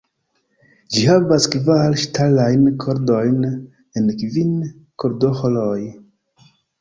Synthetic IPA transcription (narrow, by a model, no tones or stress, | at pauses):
d͡ʒihavaskvalʃtalajnkʰoɾdo̞jn | enkvin | ko̞ɾdoholoj